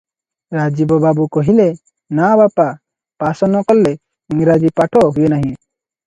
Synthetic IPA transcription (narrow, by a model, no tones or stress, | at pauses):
ɾad͡ʒibɔbabukɔɦile | nabapa | pasɔnɔkɔlːe | iŋɾad͡ʒipaʈʰɔɦujenaɦĩ